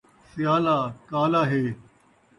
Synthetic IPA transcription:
sɪjaːlaːkaːlaːɦeː

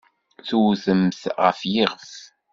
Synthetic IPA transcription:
θuθəmθʁə̰fjɪʁəf

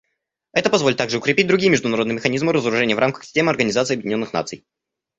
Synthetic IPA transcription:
ɛt̪əpɐzvolʲɪt̪ːaɡʐɨʊkɾʲɪpʲit̚ʲd̪ɾʊɡʲijəmʲɪʐd̪ʊnɐɾod̪nɨəmɪxɐnʲizmɨɾəzəɾʊʐɛnʲɪəvrʔamkə̥xsʲɪ̥sʲtʲemɨɐrɡənʲɪzat̪sɨːɐbjdʲɪnʲo̞nːɨxna̰t̪sɨ̰j

